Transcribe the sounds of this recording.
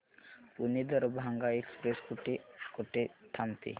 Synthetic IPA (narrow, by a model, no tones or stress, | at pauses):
unid̪əɾbʱaŋɡaekspɾeskuʈikuʈet̪ʰamt̪ʰḭ